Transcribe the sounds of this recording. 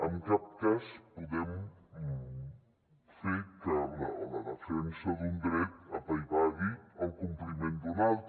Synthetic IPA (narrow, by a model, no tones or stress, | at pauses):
amkap̚kaspuðɛm | feɾkala̰laðafɾɛnsɐðund̪ɾɛt̪ɐpajβaβiawkumplimẽnd̪unalˠt̪